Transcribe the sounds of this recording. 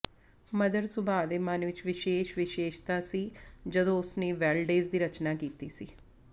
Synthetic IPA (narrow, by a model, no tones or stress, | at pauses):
məd̪əɾsʊbʱaːd̪eːmənʋɪt͡ʃʋɪʃeːʃʋɪʃeːʃt̪aːsiːd͡ʒəd̪õːʊsneːʋɛːlɖeːzd̪iːɾət͡ʃnaːkiːt̪iːsiː